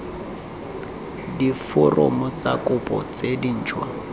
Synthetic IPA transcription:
difʊrʔʊmʊt͡sakʼʊpʼɔ̰t͡sedin̩ːt͡ʃʰwa̰

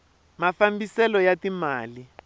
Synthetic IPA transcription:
mafambisɛlɔjatimaːli

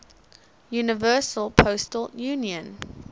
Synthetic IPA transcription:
juːnɪvɜːˑsəlˠpʰoʊstəljuːniə̃n

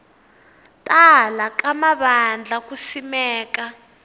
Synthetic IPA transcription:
tʼalakamaɓand͡ɮʱakusimɛːka

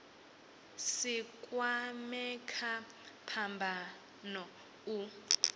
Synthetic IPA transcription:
sikʼwamɛkʰa | pʰambʱa | nɔ | u

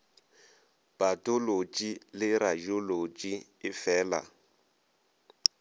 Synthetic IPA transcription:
b̥atʼʊlot͡ʃʼilɪɾajʊlot͡ʃʼi | ɪfɛːla̰

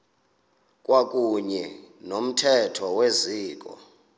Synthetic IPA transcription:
k̬ʼwakʼuɲɛnom̩tʰɛtʰɔweziːk̬ʼɔ̰

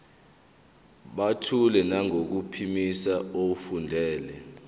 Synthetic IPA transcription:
ɓatʰulɛnaŋok̬upʰimisaofundʱɛːlɛ

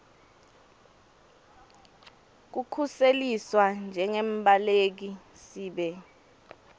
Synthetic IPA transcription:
k̬ukʰuseliswand͡ʒʱɛŋɛmbʱʼalek̬i | siːɓɛ

